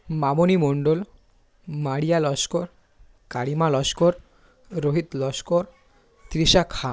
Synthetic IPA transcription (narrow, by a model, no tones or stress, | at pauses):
mamonimoɳɖol | maɽijalɔʃkoɾ | kaɽimalɔʃkoɾ | ɾoɦit̪lɔʃkoɾ | t̪ɾiʃakʰa